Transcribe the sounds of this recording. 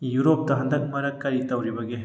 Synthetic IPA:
juɾop̚tɐɦɐndɐk̚mɐɾɐkːɐɾitɐwɾibɐɡe

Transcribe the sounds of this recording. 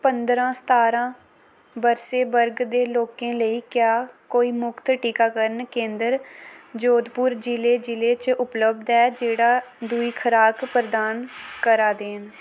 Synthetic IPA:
pənd̪ɾãːsə̥t̪aːɾãː | bəɾseːbəɾɡd̪eːloːkẽːləiːkjaːkoːiːmʊkt̪ʈiːkaːkəɾənkẽːnd̪əɾd͡ʒoːd̪pʊɾd͡ʒileːd͡ʒɪleːt͡ʃʊpləbd̪ɛːd͡ʒeːɽaːd̪uiːkʰəɾaːkpəɾəd̪aːnkəɾaːd̪eːn

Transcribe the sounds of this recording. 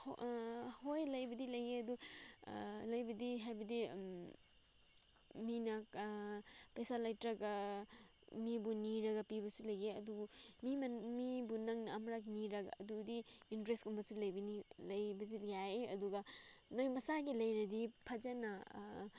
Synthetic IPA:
h | hojlɐjbɐdilɐjeɐdu | lɐjbɐdiɦajbɐdi | minɐ | pejsalɐjtɾɐɡɐ | mibuniɾɐɡɐpibɐsulɐjeɐduɡmimmibunɐŋnɐamɾakniɾɐɡɐ̰ːdudiintɾestkumbɐsulɐjbɐnilɐjbɐdiljajeɐ̰duɡɐnɐjmɐsaɡilɐjɾɐdipʰɐd͡ʒɐnɐ

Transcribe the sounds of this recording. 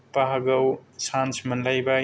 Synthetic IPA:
paɦaɡɐwsansmɐnlajba

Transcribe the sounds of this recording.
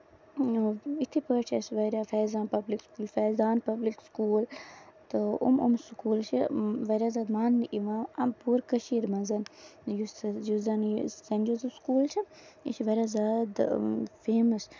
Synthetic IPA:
it̪ʰipəːt͡ʃʰesʋɐɾʲaːfɛːzaːnpɐblikskuːlfɛːzaːnpɐblikskuːlt̪ɨṵmṵmskuːlt͡ʃʰiʋɐɾʲaːzaːd̪maːnːiʔiʋãːɐmpuːɾkəʃiːɾmɐzɐnjusjuzɐnsɐnʲd͡ʒozskuːlt͡ʃʰi | ḭʃiʋɐɾʲaːzaːd̪feːmɐs

